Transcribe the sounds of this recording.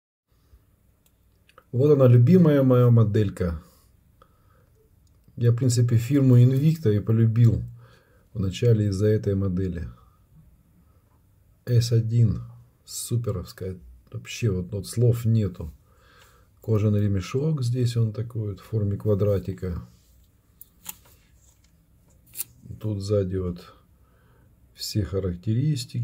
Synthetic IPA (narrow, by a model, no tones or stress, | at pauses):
vo̞t̪ɐnalʲʉbʲiməjəmɐjamɐd̪ɛlʲkə | jafpɾʲint̪sɨp̬ʲɪfʲirmʊɪnvʲikt̪əipəlʲʉbʲilˠ | vnɐt͡ɕælʲɪɪzːɐɛt̪əjmɐd̪ɛlʲɪ̰ | ɛsʲɐdʲin | sːupʲɪɾəfskəjəvɐpɕːe̞vot̪ot̪slˠo̞fnʲe̞t̪ʊ | ko̞ʐɨnɾʲɪmʲɪʂokzʲdʲesʲo̞nt̪ɐko̞jot̪ffo̞rmʲɪkvɐd̪ɾatʲɪkə | t̪ut̪zadʲɪvot̪ | fsʲexəɾəktʲɪɾʲisʲtʲɪkʲ